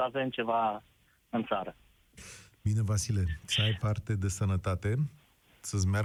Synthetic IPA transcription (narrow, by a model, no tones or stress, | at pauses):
ave̞mt͡ʃe̞va | ɨnt̪saɾə | bine̞vasile̞t̪səajpart̪e̞d̪e̞sənət̪at̪e̞ | səsʲmea